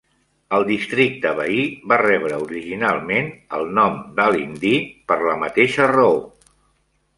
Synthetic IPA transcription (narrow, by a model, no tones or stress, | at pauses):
əlˠd̪ist̪ɾik̚t̪əβəiβarɛβɾəuɾiʒinalˠmenəlˠnɔmd̪alind̪ipəɾləmət̪eʃərəo